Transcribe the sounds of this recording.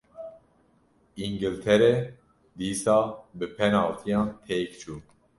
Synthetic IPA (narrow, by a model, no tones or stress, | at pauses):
iŋɡɨlt̪ʰɛɾɛ | d̪iːsɑːbɨpʰɛnɑːlt̪ʰijɑ̃ːnt̪ʰeːkt͡ʃʰuː